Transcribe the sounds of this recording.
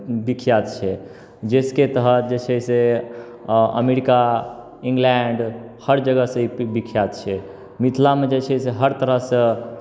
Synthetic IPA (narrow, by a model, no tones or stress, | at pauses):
bikʰjat̪t͡ʃʰɛ | d͡ʒesket̪əɦət̪d͡ʒet͡ʃʰɛjse | ə̰meɾika | ĩŋɡlɛɳɖhəɾd͡ʒəɡəsə̃ibikʰjat̪t͡ʃʰɛ | mit̪ʰlamed͡ʒet͡ʃʰɛseɦəɾt̪əɾəɦsə̃